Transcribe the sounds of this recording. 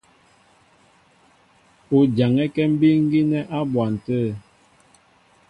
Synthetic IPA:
o˨d͡ʒa˨ŋɛ˦kɛ˦m̩˦bi˦ŋ˦ɡi˦nɛ˦ʔa˦bwa˨n̩˨tə˦˨

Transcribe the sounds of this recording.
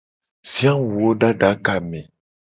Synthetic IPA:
si˦ã˦wu˨o˦ɖa˦ɖa˨˦ka˨mɛ̃˨

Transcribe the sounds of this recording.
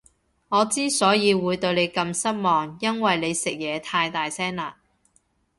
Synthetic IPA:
ŋɔː˨˧t͡siː˥sɔː˨˥jiː˨˧wuː˨˧jt̪ɵ˧ɥne˨˧jkɐ˧msɐ˥t̚mɔː˨ŋjɐ˥nwɐ˨jne˨˧jsɪ˨k̚jɛː˨˧t̪ʰaː˧jt̪aː˨jsɛː˥ŋlaː˨

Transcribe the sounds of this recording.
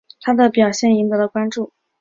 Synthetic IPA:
t̪ʰa˥d̪ə˨pjɑ˨˩ʊɕjɛ˥˩ni˧˥ŋd̪ɤ˧˥lə˧kwa˥nʈ͡ʂu˥˩

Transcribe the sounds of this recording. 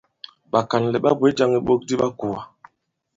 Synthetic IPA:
ɓa˨ka˨nlɛ˨ɓa˦bwe˨˦d͡ʒa˦ŋi˦ɓo˦k̚di˦ɓa˦ku˨a˨

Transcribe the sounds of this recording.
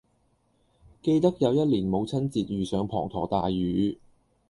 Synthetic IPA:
ke˧jt̪ɐ˥k̚jɐ˨˧wjɐ˥t̚liː˨˩nmo˨˧wt͡sʰɐ˥nt͡siː˧t̚ɥyː˨˩sœː˨˧˥ŋpʰɔ̰ː˨˩ŋt̪ʰɔ̰ː˨˩t̪aː˨jːyː˨˧

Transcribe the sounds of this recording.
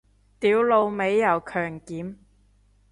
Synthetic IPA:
t̪iː˨˥wlo˧wme˨˧jːɐ˨˩wkʰœː˨˩ŋkiː˨˥m

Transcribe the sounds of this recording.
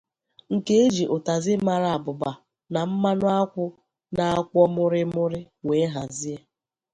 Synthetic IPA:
ŋ̩˨ke˦e˦d͡ʒi˨ʔʊ˨ta˨zɪ˦ma˨ɾa˨a˨bʊ˨ba˨ | na˨m̩˦ma˦nʊ˦a˦kʷʊ˦ | na˨a˦kʷɔ˦mʊ˦ɾɪ˦mʊ˦ɾɪ˦ | weː˨˦ɦa˨zi˦e˦

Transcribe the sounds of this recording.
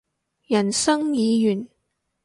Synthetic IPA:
jɐ˨˩nsɐ˥ŋjiː˨˧jyː˨˩n

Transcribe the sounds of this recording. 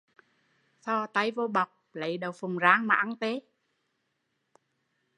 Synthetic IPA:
sɔ˧˩t̪a˧jvo˧ɓa˨˩wk͡p̚lə˨˦jɗə˨˩wfʊ˨˩ŋ͡mzaː˨˦ŋmaː˨ʔa˧nt̪e˨˦

